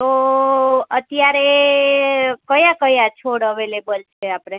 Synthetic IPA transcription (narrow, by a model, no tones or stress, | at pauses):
t̪o | ət̪jaɾe | kəjãkəjãt͡ʃʰoɽəʋelebəlt͡ʃʰeapɽe